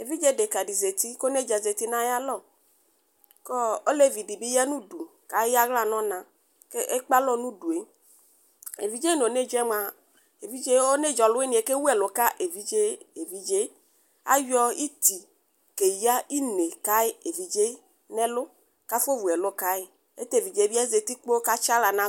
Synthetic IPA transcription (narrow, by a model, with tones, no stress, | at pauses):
e˨vi˦d͡ʒe˦de˨ka˨di˨ze˨t̪i˦ko˦ne˦˨d͡ʒa˨ze˨t̪i˦nã˦ja˦lɔ˦˨ | kɔ˦o˦le˦˨vi˨di˨bɪ˦ja˦nũ˦du˨ka˨˦ja˦ɣla˦nɔ̃˦nã˨ | ke˦e˦k͡pa˦lɔ˦nũ˦du˨e˨˦ | ḛ˨vi˨d͡ʒe˦no˨ne˦˨d͡ʒɛ˦m˦a˨ | e˨vi˦d͡ʒe˦o˦ne˦˨d͡ʒɔ˨lʊ˦e˦nĩ˨e˨˦ke˦wu˦ɛ˨lʊ˨ka˦ʔe˨vi˦d͡ʒe˦e˨vi˨d͡ʒe˦ | a̰˦jɔ˦i˦t̪i˨ | ke˨ja˦ʔi˦ne˨ka˦ɪ˦e˨vi˨d͡ʒe˦ | nɛ˦lʊ˦ | ka˦fo˦vu˨ɛ˨lʊ˦ka˦ɪ˦ | e˦t̪e˦˨vi˨d͡ʒe˦bi˦a˦ze˨t̪i˦k͡po˦ka˦t͡ʃa˦la˨nã˦